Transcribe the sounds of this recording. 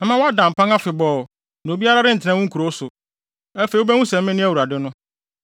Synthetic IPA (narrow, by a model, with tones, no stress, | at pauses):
ɛ˦mã˦wa˦dã˨m̩˨pʰã˦ŋa˦fɪ˨bɔː˨ | n˨bi˦a˦ɾa˦ɾɪ˦n̩˨tʰnã˦wʊ̃˦ŋ̩˦kʰu˨ɾo˦sʊ˨ | ɛ˦fe˨˦o˦bɛ˦ŋũ˦sɛ̃˨mː˦ɪ̃˦nɪ̃˦æ˦wu˨ɾa˨dɪ˦nʊ̃˦